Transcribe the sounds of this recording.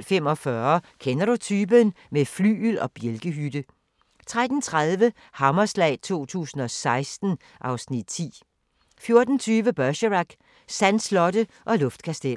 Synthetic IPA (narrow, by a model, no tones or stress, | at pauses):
lfem̰ɒ̽fɶɐkʰenɐɾ̥ut͡sʰyːb̥ənmefly̰ːylɒ̽b̥jelɡ̥əɦydə | t͡sʰʁad̥n̩t͡sʰʁaðˠʋə | hɑ̈mɐslɛ̰ɪt͡sʰo̝̰ːt͡sʰṵːsn̩ɒ̽sɑ̈ɪsd̥n̩ | ʔɑ̈ʊsnid̥̚t͡sʰḭː | fjo̝ɐd̥n̩t͡sʰyːʋəb̥ɶɕəʁɑɡ̥ | sænslɒ̽ɾə | ʔɒ̽lɔ̽fd̥kʰæsd̥el̰